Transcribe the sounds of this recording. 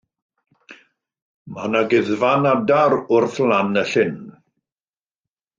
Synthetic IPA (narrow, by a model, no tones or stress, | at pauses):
manaɡɪðvanadaɾʊrθlanəɬɪn